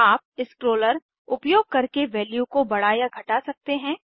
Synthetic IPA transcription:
aːp̚ɪskɾoːləɾ | ʊpjoːɡ̚kɐɾkeʋɛːljukobɐɽ̤aːjaɡʱɐʈasɐk̚t̪eɦɛ̃ː

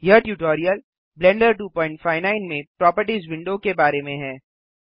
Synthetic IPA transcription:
jɐɦʈjuːʈoːɾijəl | blɛ̃ɳɖəɾʈ̬uːpɔ̃ːɪ̃ɳʈfaːɪnaːɪnmẽpɾɔːpəɾʈizʋɪ̃ɳɖokebaːɾemẽɦɛː

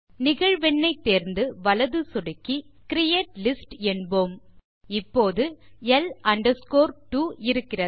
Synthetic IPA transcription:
nɪɣɐɻʋɛɳːɐɪt̪ːeːɾnd̪ɯʋɐlɐðɯsɔɽɪkːikɪɾɪjeːʈlɪsʈɛɳboːm | ɪpːoːðɯɛlʔɐɳɖɐɾskoːɾʈuːɪɾɯkːɪrɐ

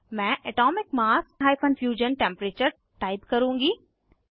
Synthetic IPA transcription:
mɛ̃ːʔɛʈɔːmɪkmaːsɦaːɪfənfjuːd͡ʒənʈẽːmpɾeːt͡ɕəɾ | ʈaːɪd̪kɐɾũːŋɡi

